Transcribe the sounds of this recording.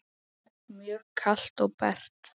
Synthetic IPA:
mjœːkʰal̥t̪ɔɣpɛ̰r̥t̪

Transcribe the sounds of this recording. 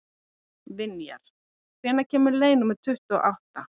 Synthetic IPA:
vɪnja̰ɾ̥ | kʰvɛːnacʰɛːmʏɾleːjnʏmɛðt̪ʰʏht̪ʏɔ̰ʔawht̪a

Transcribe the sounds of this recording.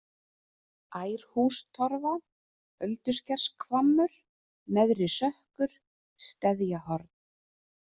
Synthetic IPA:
aːjɾ̥huːst̪ʰɔɾva | œlt̪ʏscɛr̥skʰvamːʏɾ̥ | nɛðɾɪsœhkʏɾ̥ | st̪ɛðjahɔɾt̪n

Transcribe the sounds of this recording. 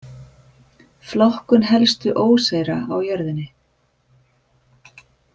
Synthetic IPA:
flɔhkʏnɦɛlst̪ʏʔoːwseːjɾaawjœɾðɪnːɪ

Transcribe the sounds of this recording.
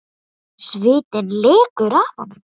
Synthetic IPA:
svɪːt̪ɪnleːkʏɾafɔ̰nʏm

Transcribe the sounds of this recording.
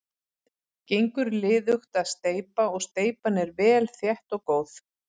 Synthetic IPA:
cejŋkʏɾlɪːðʏxt̪aðst̪eːjpaɔɣst̪eːjpanɛɾvɛːlθjɛht̪ɔɣkoːwθ

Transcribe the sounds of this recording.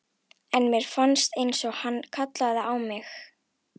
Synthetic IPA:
ɛnmjɛɾ̥fanst̪ejnsɔɣhanːkʰat̪laðaawmɪx

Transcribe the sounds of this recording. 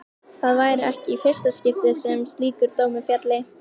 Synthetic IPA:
θaðvaːjɾʏɛhcɪifɪr̥st̪ascɪft̪ɪsɛmst̪liːkʏɾt̪oːwmʏfjat̪lɪ

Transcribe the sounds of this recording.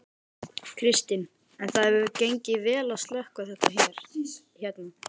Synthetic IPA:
kʰɾɪst̪ɪn | ɛnθaðɛvʏcejɲcɪvɛːlaðst̪lœhkvaθɛht̪açɛɾ̥ | çɛt̪na

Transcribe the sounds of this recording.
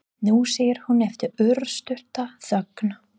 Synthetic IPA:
nuːseːjɪɾ̥hunɛft̪ʏɾʏɾst̪ʏr̥t̪aθœkn

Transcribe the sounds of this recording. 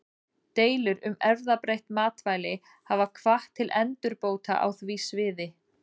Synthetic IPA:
t̪eːjlʏɾʏmɛɾðapɾejht̪maːt̪vaːjlɪ | havakʰv̥aht̪ʰːɪlʔɛnt̪ʏɾpoːwt̪a̰ʔa̰wθvisvɪːðɪ

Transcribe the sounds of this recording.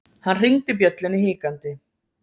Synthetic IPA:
hanːr̥iŋt̪ɪp̬jœt̪lɪnːihɪːkant̪ɪ

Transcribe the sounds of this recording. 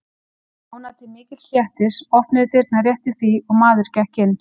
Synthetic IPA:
hunat̪ɪmɪːcɪt̪l̥jɛht̪ɪsɔhpnɪðʏt̪ɪɾt̪narjɛht̪ɪθiɔɣmaːðʏɾ̥cɛhcɪnː

